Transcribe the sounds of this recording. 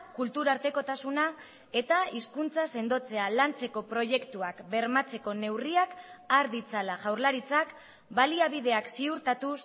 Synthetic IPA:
kult̪uɾaɾt̪e̞ko̞t̪asuna | e̞t̪aiskunt͡sase̞nd̪o̞t͡se̞alant͡se̞ko̞pɾo̞ʝe̞kt̪uakbe̞ɾmat͡se̞ko̞ne̞wriakaɾðit͡salaʝawɾlaɾit͡sak | baliaβ̞ið̞e̞aksiuɾt̪at̪us

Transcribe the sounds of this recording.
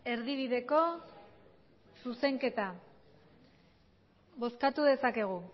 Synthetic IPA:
e̞ɾðiβ̞iðe̞ko̞ | suse̞ŋke̞t̪a | βo̞skat̪uðe̞sake̞ɣ̞u

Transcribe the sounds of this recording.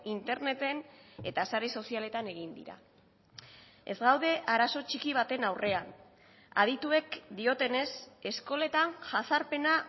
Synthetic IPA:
int̪e̞ɾne̞t̪e̞ne̞t̪asaɾe̞so̞siale̞t̪ane̞ɣind̪ḭɾa̰ | e̞zɡawðe̞ʔaɾaso̞t͡ʃikiβ̞at̪e̞nawrʔe̞an | a̰ð̞it̪ue̞kd̪io̞t̪e̞ne̞se̞sko̞le̞t̪anʝasaɾpe̞na

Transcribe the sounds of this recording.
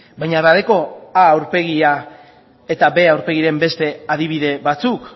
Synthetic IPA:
bajɲaβaðeko̞aːwɾpe̞ɣ̞ia | e̞t̪abe̞awɾpe̞ɣiɾe̞mbe̞st̪e̞aðiβ̞iðe̞βat͡suk

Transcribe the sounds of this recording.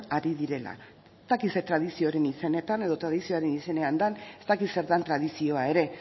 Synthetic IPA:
aɾiðiɾe̞la̰ | st̪akise̞t̪ɾað̞isio̞aɾe̞nise̞ne̞t̪ane̞ðo̞t̪ɾaðisio̞aɾe̞nise̞ne̞and̪ane̞st̪akise̞ɾðant̪ɾaðisio̞aeɾe̞

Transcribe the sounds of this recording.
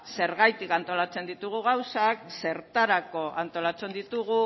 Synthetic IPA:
se̞ɾɣajt̪ikant̪o̞lat͡se̞nd̪it̪uɣ̞uɣawsakse̞ɾt̪aɾako̞ʔant̪o̞lat͡se̞nd̪it̪uɣu

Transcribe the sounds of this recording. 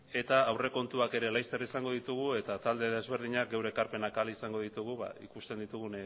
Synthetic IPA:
e̞t̪aːwre̞ko̞nt̪uake̞ɾe̞lajst̪e̞risaŋɡo̞ðit̪uɣ̞ue̞t̪at̪ald̪eðe̞zβ̞e̞ɾðiɲak̚ɡe̞wɾekaɾpe̞nakalisaŋɡo̞ð̞it̪uɣ̞uβa̰ikust̪e̞nd̪it̪uɣun

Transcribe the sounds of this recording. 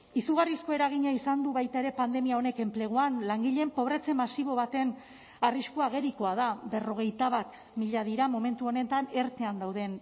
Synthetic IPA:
isuɣarisko̞e̞ɾaɣ̞iɲaisand̪uβajt̪ae̞ɾe̞pand̪e̞miaone̞ke̞mple̞ɣ̞oanlaŋɡiʎe̞mpo̞β̞ɾe̞t͡se̞masiβ̞o̞β̞at̪e̞n | ariskoaɣ̞e̞ɾiko̞aðabe̞ro̞ɣ̞e̞jt̪aβ̞at̪ | miʎaðiɾamo̞me̞nt̪uo̞ne̞t̪ane̞ɾt̪e̞and̪awðe̞n

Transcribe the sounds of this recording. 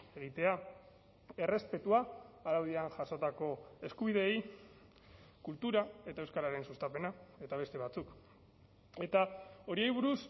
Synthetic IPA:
eɣ̞it̪e̞a | e̞re̞spe̞t̪uaaɾawðianʝaso̞t̪ako̞e̞skuβ̞iðe̞j | kult̪uɾae̞t̪aewskaɾaɾe̞nsust̪ape̞nae̞t̪aβ̞e̞st̪e̞β̞at͡suk | e̞t̪ao̞ɾiejβuɾus

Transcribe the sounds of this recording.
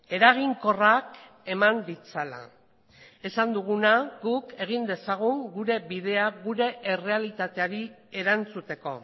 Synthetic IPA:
e̞ɾaɣ̞iŋko̞rak | e̞mand̪it͡sala̰ | e̞sand̪uɣ̞unaɣuke̞ɣ̞ind̪e̞saɣ̞uŋɡuɾe̞biðe̞aɣuɾe̞ʔere̞alit̪at̪e̞aɾie̞ɾant͡sut̪e̞ko̞

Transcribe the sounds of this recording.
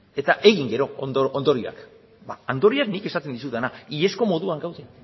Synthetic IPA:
e̞t̪aʔe̞ɣiŋɡe̞ɾo̞nd̪oʔond̪o̞ɾia̰k | baand̪o̞ɾiaknike̞sat̪e̞nd̪is̬ut̪anaie̞sko̞mo̞ðuaŋɡawðe

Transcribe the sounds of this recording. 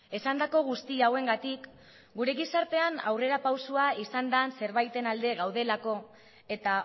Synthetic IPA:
e̞sand̪ako̞ɣ̞ust̪iawe̞ŋɡat̪ik | ɡuɾe̞ɣisaɾt̪e̞ana̰wre̞ɾapawsuaisand̪anse̞ɾβajt̪e̞nald̪e̞ɣawðe̞lako̞ | e̞t̪a

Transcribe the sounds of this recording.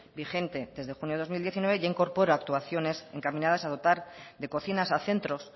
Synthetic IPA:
bixe̞nt̪e̞ðe̞zðexunjoo̞zmild̪je̞θinwe̞βeʝaiŋko̞ɾpo̞ɾaak̚t̪uaθjo̞ne̞se̞̰ŋkamĩnað̞asaðo̞t̪aɾðe̞ko̞θinasaθe̞nt̪ɾo̞s

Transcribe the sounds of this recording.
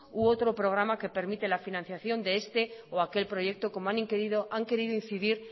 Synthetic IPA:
uot̪ɾo̞pɾo̞ɣ̞ɾamake̞pe̞ɾmit̪e̞lafinãn̟θjaθjo̞nd̪e̞est̪e̞oake̞lpɾo̞ʝe̞k̚t̪o̞ko̞moanĩŋkeɾiðo̞ʔaŋke̞ɾiðoin̟θiðiɾ

